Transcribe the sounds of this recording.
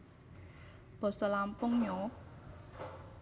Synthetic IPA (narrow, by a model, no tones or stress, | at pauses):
b̥ɔ̤sɔlampʊŋɲɔ